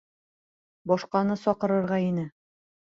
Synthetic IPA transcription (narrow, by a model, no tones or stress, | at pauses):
bɒʃqɑnɤsɒqɤ̆ɾɤ̆ɾʁɑinɘ